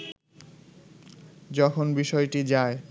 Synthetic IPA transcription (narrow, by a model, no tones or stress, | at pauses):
d͡ʑɔkʰonbiʃɔeʈid͡ʑae